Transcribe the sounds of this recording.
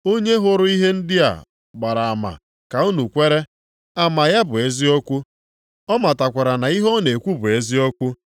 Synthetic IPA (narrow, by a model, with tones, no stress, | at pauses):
o˦ɲe˦ɦʊ˦ɾʊ˦i˦ɦe˦n̩˦dɪ˦a̰˨ | ɡ͡ba˨ɾa˨a˨ma̰˨ | ka˨u˦nu˨kʷe˦ɾe˦ | a˨ma˨ja˦bʊ˨e˦zi˦o˦kʷu˦ | ɔ˦ma˨ta˨kʷe˨ɾa˨na˨i˦ɦɔ˦ne˨kʷu˦bʊ˨e˦zi˦o˦kʷu˦